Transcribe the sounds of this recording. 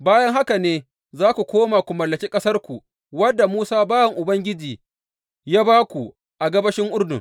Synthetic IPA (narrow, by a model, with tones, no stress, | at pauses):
baː˦jɐ˦ŋɦa˦ka˨neː˦ | zaː˦kʷu˨kʷoː˦maː˨kʷu˨mɐ˨lːɐ˨kʲiː˦kʼɐ˦sɐ˦rkʷu˨ | wɐ˦dːa˨muː˦saː˦baː˦jɐ˨ŋʔʊ˨bɐ˦ŋɡʲɪ˦d͡ʒiː˨ | jaː˦baː˦kʷu˨ | ʔa˨ɡɐ˦bɐ˦ʃɪ˦ŋʔʊ˦rdʊ̰˨ŋ